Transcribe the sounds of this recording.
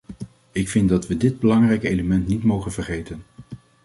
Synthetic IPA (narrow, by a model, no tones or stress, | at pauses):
ɪkfɪndɑtʋədɪd̚bəlɑŋrɛjkejləmɛntnitmowχənvəɹχejtən